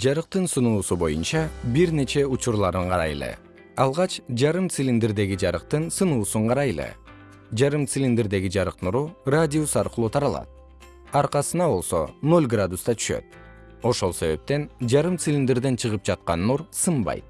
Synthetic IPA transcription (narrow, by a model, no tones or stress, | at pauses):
d͡ʒɑɾɯq̚t̪ɯnsunuːsubo̞̰junt͡ʃɑbiɾne̞t͡ʃe̞ut͡ʃuɾlˠɑɾɯɴqʰɑɾɑ̰jelʲˠḛ | ɑlˠʁɑt͡ʃd͡ʒɑɾɯmt̪silʲind̪eɾd̪e̞ɡid͡ʒɑɾɯq̚t̪ɯnsɯnuːsuɴqʰɑɾɑjelˠḛ | d͡ʒɑɾɯmt̪silʲind̪eɾd̪e̞ɡid͡ʒɑɾɯqnuɾuradʲiusɑɾqɯlˠut̪ʰɑɾɑlˠɑ̰t̪̚ | ɑɾqɑsɯnɑbo̞lˠso̞̰no̞lʲɡrad̪ust̪ɑt̪ʰy̥ʃø̞̰t̪̚ | o̞ʃo̞lˠse̞βe̞̰p̚t̪e̞nd͡ʒɑɾɯmt̪silʲind̪eɾd̪e̞nt͡ʃʰɯʁɯp̚d͡ʒɑt̪̚qɑnːuɾsɯmbɑ̰jt̪̚